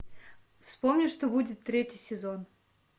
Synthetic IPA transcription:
fspomnʲɪʂt̪obudʲɪt̪ːɾʲetʲɪjsʲɪzon

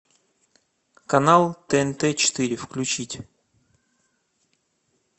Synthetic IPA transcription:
kɐnalˠt̪əɛnt̪ɛt͡ɕɪ̥t̪ɨɾʲɪfklʲʉt͡ɕitʲ

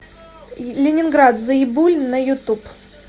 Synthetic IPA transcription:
lʲɪnʲɪnɡɾat̪zəɪbulʲnəjʊt̪up

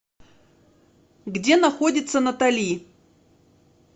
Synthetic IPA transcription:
ɡdʲenɐxo̞dʲɪt̪sənɐt̪ɐlʲi

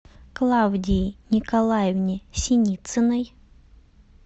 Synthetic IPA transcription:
klˠawdʲiːnʲɪkɐlˠajɪvnʲɪsʲɪnʲit̪sɨnəj

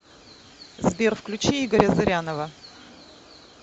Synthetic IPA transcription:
zbʲerfklʲʉt͡ɕiiɡəɾʲəzɨɾʲanəvə

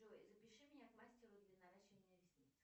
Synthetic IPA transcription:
ʐojzəpʲɪʂɨmʲɪnʲakmˠasʲtʲɪɾʊd̪lʲɐnɐɾaɕːɪvənʲɪəɾʲɪsʲnʲit̪ɨ̥

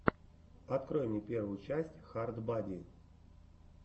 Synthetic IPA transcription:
ɐt̪krojmnʲepʲervʊjʊt͡ʃæsʲtʲxard̪badʲi

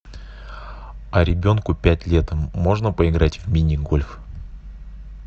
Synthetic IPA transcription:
ɐɾʲɪbʲo̞nkʊpʲætʲlʲet̪əmːo̞ʐnəpəɪɡɾatʲvmʲinʲɪɡo̞lʲf

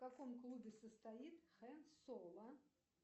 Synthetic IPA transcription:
kakɔmklˠubʲɛsɐst̪ajit̪xɛsɔlˠɐ

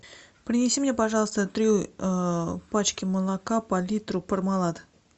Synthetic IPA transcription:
pɾʲɪnʲɪsʲimnʲepɐʐɑlˠəst̪ət̪ɾʲiəpat͡ʃkʲɪməlˠakapɐlʲit̪rʊpərmɑlˠat̪

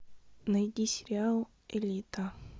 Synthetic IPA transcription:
nɐjd̪ʲisʲɪɾʲɪalˠ | elʲit̪a

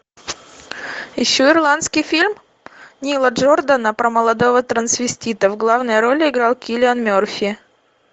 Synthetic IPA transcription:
jɪɕːoɪrlˠant̪skʲɪjfʲilʲm | nʲilˠəʐord̪ənəpɾəməlˠɐd̪o̞vət̪ɾənsvʲɪsʲtʲit̪əvɡlˠavnəjɾo̞lʲɪɪɡɾalˠkʲilʲɪanmʲorfʲɪ

